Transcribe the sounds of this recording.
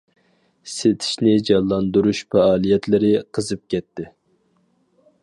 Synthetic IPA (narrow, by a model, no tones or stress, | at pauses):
set̪ʰɪi̥ʃnɪd͡ʒɑlˠːɑnd̪uɾuʃfæɑːlˠijɛt̪lɪɾɪqʰəzɨp̚kʲɛt̪ːɪ